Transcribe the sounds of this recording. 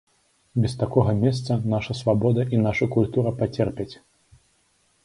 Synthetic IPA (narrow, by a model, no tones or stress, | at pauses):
bʲɛst̪akɔɣɐmʲɛst̪sɐnaʂɐsvabɔd̪ɐʔinaʂɐkulʲt̪uɾɐpat͡sʲɛrpʲɛt͡sʲ